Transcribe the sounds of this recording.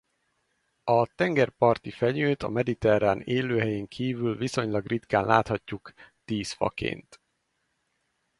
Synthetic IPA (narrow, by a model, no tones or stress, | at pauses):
ɒt̪ɛŋɡɛrpɒrt̪ifɛɲøːt̪ɒ̰mɛd̪it̪ɛɾaːneːløːɦɛjeːŋkʰiːvylviso̞ɲlɒɡrit̪kaːnla̰ːt̪hɒcːukt̪iːsfɒ̰kḛːnt̪